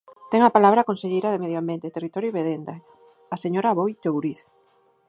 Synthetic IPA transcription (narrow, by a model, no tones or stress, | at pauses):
t̪ɛŋapalaβ̞ɾakõnseʎejɾaðemeðjoambjent̪et̪erit̪ɔɾjoβeðend̪a | aseɲoɾaβojt̪owɾiθ